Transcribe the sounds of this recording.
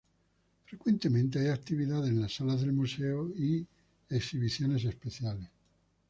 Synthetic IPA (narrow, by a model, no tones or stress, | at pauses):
fɾekwent̪emẽnt̪̬eajak̚t̪iβ̞iðaðenlasːalaðelmuseoi | eksiβiθjones̬espeθjales